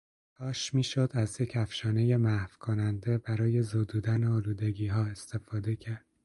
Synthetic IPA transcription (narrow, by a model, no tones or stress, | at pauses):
t̪ʰɒːʃmiːʃod̪æzjecʰæfʃɒːne̞je̞mæhvkʰonænd̪e̞bæɾɒːje̞zoːd̪uːd̪æneɒːluːd̪e̞ɡiːɦɒːe̞st̪e̞fɒːd̪e̞cʰæɾd̪̥